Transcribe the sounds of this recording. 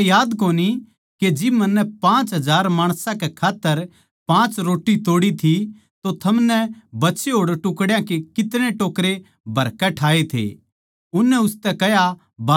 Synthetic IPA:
jaːd̪koːni | ked͡ʒɪmɐnːɛpãːt͡ʃɦɐd͡ʒaːɾmaːɽ̃sãkekʰaːt̪ːəɾ | pãːt͡ʃɾoːʈːit̪oːɽit̪ʰi | t̪ot̪ʰɐmnɛbɐtːʃeɦoːɽʈʊkɽjãkekɪt̪ɽ̃eʈoːkɾe | bʱɐɾkɛʈʰaːet̪ʰḛː | ʊnːɛʊst̪ɛkɛɦja | ba

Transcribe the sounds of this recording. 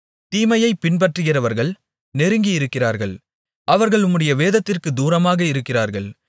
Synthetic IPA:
t̪iːmɐjɐɪpːɪnbɐʈrɯɣɪrɐʋɐɾɣɐɭ | nɛɾɯŋɡijɪɾɯkːɪraːɾɣɐɭ | ʔɐʋɐɾɣɐɭʊmɯɽɐjɐʋeːðɐt̪ːɪrkɯd̪uːɾɐmaːɣɐɪɾɯkːɪraːɾɣɐɭ

